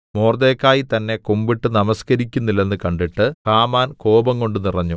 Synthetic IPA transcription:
moːrd̪e̞ːkːaːjit̪ɐnːe̞kumbiʈːɨnɐmɐskɐɾikʲːunːilːe̞nːɨkɐɳɖiʈːɨkaːmaːnko̞ːbɐŋko̞ɳɖɨnirɐɲːu

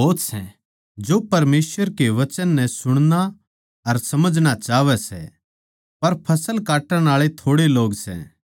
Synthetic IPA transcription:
oːt̪sɛ̰̃ | d͡ʒopɐɾmeːsʋəɾkeʋɐt͡ʃənːɛ̃sʊɽ̃na | ɐɾsɐməd͡ʒʱɽ̃at͡ʃaːʋɛsɛ̰ | pɐɾpʰɐsəlkaːʈə̃ɽ̃aːɭet̪ʰoːɽeloːɡsɛ̰̃

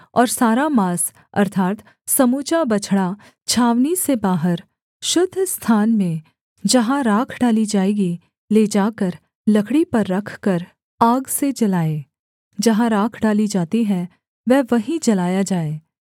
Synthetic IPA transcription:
ɔːɾsaːɾamaːs | ɐ̰ɾt̪ʰaːt̪ | sɐmuːt͡ʃabɐt͡ʃʰɽa | t͡ʃʰaːʋnisebaːɦəɾ | ʃʊd̪ʱːst̪ʰaːnmẽ | d͡ʒɐɦãɾaːkʰɖaːlid͡ʒaːeːɡi | leːd͡ʒaːkəɾ | lɐkʰɽipɐɾːɐkʰkəɾ | aːɡsed͡ʒɐlaːeː | d͡ʒɐɦãɾaːkʰɖaːlid͡ʒaːt̪iɦɛ̃ | ʋɛːʋɐɦĩd͡ʒɐlaːjad͡ʒaːeː

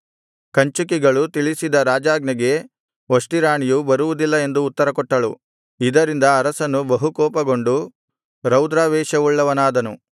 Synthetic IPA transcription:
kɐɲt͡ʃukiɡɐɭut̪iɭisid̪ɐɾaːd͡ʒaːɡnɐɡe̞ | ʋoʂʈiɾaːɳijubɐɾuʋud̪ilːɐe̞nd̪uːt̪ːɐɾɐkɔʈːɐɭu | id̪ɐɾind̪ɐːɾɐsɐnːubɐɦukɔːpɐɡo̞ɳɖu | ɾɐwd̪ɾaːʋɛːʃɐuɭːɐʋɐnaːd̪ɐnu

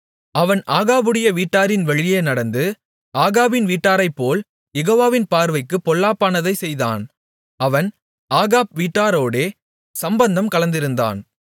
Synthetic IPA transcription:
ɐʋɐnʔaːɣaːbɯɽɐjɐʋiːʈːaːɾɪnʋɐɻɪjeːnɐɽɐnd̪ɯ | ʔaːɣaːbɪnʋiːʈːaːɾɐɪpːoːl | jɛɣoːʋaːʋɪnpaːɾʋɐɪkːɯpːɔlːaːpːaːnɐðɐɪsɛjða̰ːn | ɐʋɐn | aːɣaːb̚ʋiːʈːaːɾoːɽeː | sɐmbɐnd̪ɐmkɐɭɐnd̪ɪɾɯnd̪a̰ːn

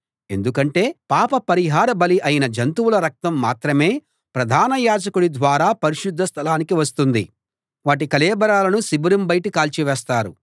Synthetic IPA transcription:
e̞̰nd̪ukɐɳʈe̞ːpaːpɐpɐɾiɦaːɾɐbɐliʔɐjinɐd͡ʒɐnt̪uwulɐɾɐk̚t̪ɐmːaːt̪ɾɐme̞ː | pɾɐd̪ʱaːnɐjaːd͡ʒɐkuɽid̪ʋaːɾaːpɐɾiʃud̪ʱːɐst̪ʰɐlaːnikiʋɐs̬t̪und̪i | ʋaːʈ̬ikɐlɛːbɐɾaːlɐnusibuɾumbɐjʈikaːlt͡ʃiʋɛːst̪aːɾu

